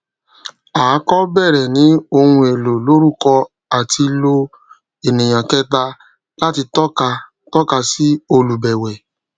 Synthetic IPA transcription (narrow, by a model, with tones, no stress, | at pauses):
a˨˦kɔ˦bɛ˦˨ɾɛ˨nĩ˨˦o˧hũ˧e˨lo˨lo˨˦ɾu˦˨kɔ˧ | a˨ti˧lo˧ | e˨nẽ˨j̃ã˨kɛ˦t̬a˧ | la˦ti˧tɔ˦ka˧ | tɔ˦ka˧si˦o˧lu˨bɛ˨wɛ˨